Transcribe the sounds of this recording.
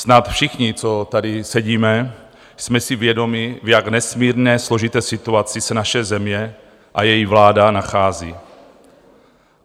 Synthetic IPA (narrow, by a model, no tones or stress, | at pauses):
snat̪fʃɪxɲɪt͡sot̪adɪsɛɟiːmɛ | smɛsɪvjɛdo̞mɪvjaɡnɛsmiːɾnɛːslo̞ʒit̪ɛːsɪt̪uat͡sɪsɛnaʃɛzɛmɲɛ | ʔajɛjivlaːdanaxaːziː